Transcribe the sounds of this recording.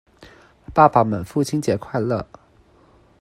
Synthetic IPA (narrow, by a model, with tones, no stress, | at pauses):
pa˥˩pa˨˩mə˨˩nfu˥˩t͡ɕʰi˥nt͡ɕjɛ˧˥kʰwa˥˧ɪlɤ̰˥˩